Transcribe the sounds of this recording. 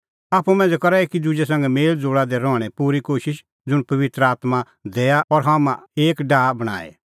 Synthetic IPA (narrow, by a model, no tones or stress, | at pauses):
aːpʰumɛ̃ːnd͡zɛkɐɾaekid̪ud͡ʒɛs̬ɐ̃ŋɡɛmeːld͡zoːɽad̪ɛɾɔɽ̃ɛpuːɾikoːʃɪʃ | d͡zʊɽ̃pɐʋɪt̪ɾəaːt̪ma | d̪eːaɔɾɦamãeːkɖaːbɐɽ̃a̰ːɛ̰